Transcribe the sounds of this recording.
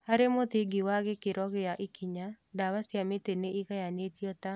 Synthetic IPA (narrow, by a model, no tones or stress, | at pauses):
haɾemot̪ɪɡɪwaɣɪkɪɾɔɣɪjaʔɪkiɲa | dawasjameteneiɣajanetjɔt̪a